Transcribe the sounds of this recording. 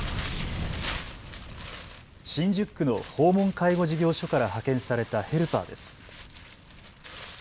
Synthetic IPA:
ɕĩɲd͡ʑɨkːɯ̟no̞ho̞ːmõ̞ŋkaiɡo̞ʑiɡʲo̞ːɕo̞kaɾahakẽ̞ɰ̃saɾe̞t̪ahe̞ɾɯ̟pa̰ːd̪e̞̰sɨ̥

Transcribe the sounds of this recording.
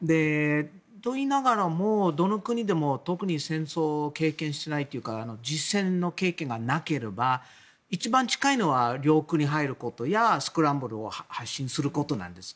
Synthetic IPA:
d̪e̞ | t̪o̞inaɡaɾamod̪o̞no̞kɯ̟ɲ̟id̪e̞mo̞t̪o̞kɯ̟ɲ̟isẽ̞ɰ̃so̞ːke̞ːkẽ̞ɰ̃ɕi̥t̪e̞nait̪ːojiɯ̟kaːno̞d͡ʑisẽ̞nːo̞ke̞ːkẽ̞ŋɡanake̞ɾe̞ba | it͡ɕibãɲ̟t͡ɕi̥kaino̞βaɾʲo̞ːkɯ̟ɲ̟iɦaiɾɯ̟ko̞t̪o̞jasɨ̥kɯ̟ɾãmbɯ̟ɾɯo̰hahaɕːĩɰ̃sɨɾɯ̟ko̞t̪o̞nã̰nd̪e̞sɨ̥

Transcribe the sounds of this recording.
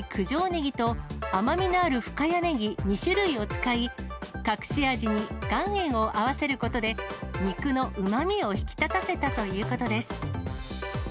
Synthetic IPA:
kʰɯ̟ʑo̞ːne̞ɡʲit̪o̞amamʲinoːɾɯ̟ɸɯ̟̥kajane̞ɡʲimʲiɕɨɾɯ̟io̞t͡sɨ̥kaikakɯ̟̥ɕiaʑiɲ̟iɡ̥ãɰ̃ẽ̞ɰ̃o̞ʔaβase̞ɾɯ̟ko̞t̪o̞d̪e̞mʲikɯ̟no̞ʔɯ̟mamʲio̞çi̥kʲi̥t̪at̪ase̞t̪at̪o̞jɯ̟ːko̞t̪o̞d̪e̞sɨ̥

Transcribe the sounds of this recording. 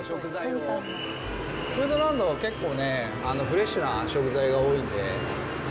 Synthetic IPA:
ɕo̞kɯ̟zao | kɯːd̪oɾãnd̪o̞βake̞kːo̞ːne̞ | ano̞ɸɯ̟ɾe̞ɕːɨnaɕo̞kɯ̟zaiɡaoːĩnd̪e̞

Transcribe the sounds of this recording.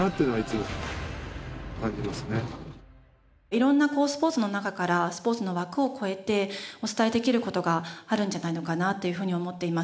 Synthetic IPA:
at̪ːeinait͡sɨmo | kãɲd͡ʑimasɨne | iɾõ̞nːako̞ːsɨ̥po̞ːt͡sɨno̞nakakaɾasɨ̥po̞ːt͡sɨno̞βakɯ̟o̞kʰo̞e̞t̪e̞o̞t͡sɨ̥t̪aid̪e̞kʲiɾɯ̟ko̞t̪o̞ɡaaɾɯ̟̃n̟d͡ʑanaino̞kanat̪ːe̞jɯ̟ɸɯ̟ːɲ̟io̞mo̞t̪ːe̞imas

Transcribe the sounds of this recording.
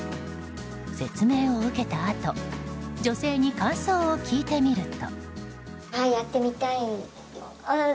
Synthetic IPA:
se̞t͡sɨme̞ːo̞ɯ̟ke̞t̪aːt̪o̞d͡ʑo̞se̞ːɲ̟ikãɰ̃soːokʲiːt̪e̞mʲiɾɯ̟t̪o̞̰ | haijat̪ːe̞mʲit̪ai | a

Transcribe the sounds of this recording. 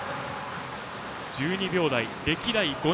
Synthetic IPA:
d͡ʑɨːɲ̟ibʲjo̞ːd̪aid̪e̞kʲiɾaiɡ̥o̞

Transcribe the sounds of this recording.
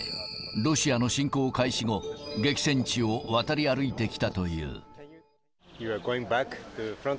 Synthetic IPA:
ɾo̞ɕiano̞ɕĩŋko̞ːkaiɕiŋo̞ɡe̞kʲi̥sẽ̞ɲ̟t͡ɕio̞βat̪aɾʲiaɾɯ̟it̪e̞kʲi̥t̪at̪o̞jɯ̰ː | juəɡoɪ̃ŋbæktufɾãn

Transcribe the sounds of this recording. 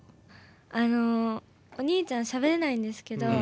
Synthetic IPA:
ano̞ | oɲ̟iːt͡ɕãɰ̃ɕaβe̞ɾenaĩnd̪e̞sɨ̥ke̞d̪o̞

